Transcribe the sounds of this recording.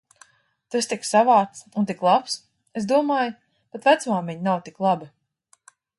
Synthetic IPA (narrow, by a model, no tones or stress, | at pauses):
t̪ast̪iksavaːt̪sunt̪̬iklˠaps | esd̪uɔmaːj | pat̪væt̪sumamʲiɲnawt̪iklˠabi